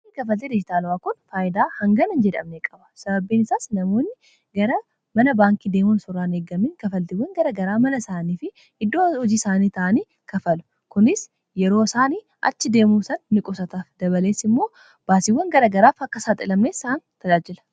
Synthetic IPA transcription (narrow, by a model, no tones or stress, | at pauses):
ikɐfɐlt̪ed̪ɪd͡ʒɪt̪aːlʊwaːkʊnfaːjɪd̪aːhɐŋɡɐnɐnd͡ʒɛᶑ̪ɐ̰mnekʼɐbɐ̥sɐbɐbːiːnɪsaːsnɐmo̞ːnːɪ | ɡɐɾɐ | mɐnɐbaːŋkid̪e̞ːmʊnsʊrːaːneːɡɐmɪŋkɐfɐlt̪ɪwːɐŋɡɐɾɐɡɐɾaːmɐnɐsaːniːfɪ | ɪd̪ːoːɔd͡ʒiːsaːniːt̪ɐʔɐniː | kɐfɐlʊ̥ | kʊnɪs | jɛɾo̞ːsaːniː | ʔɐ̰t͡ʃːɪd̪e̞ːmuːsɐnːɪkʼʊsɐt̪aːfd̪ɐβɐle̞ːsɪmːo̞ː | b̥aːsɪwːɐŋɡɐɾɐɡɐɾaːfɐkːɐsaːt̪ʼɪlɐmneːsːant̪ɐd͡ʒaːd͡ʒɪlɐ̥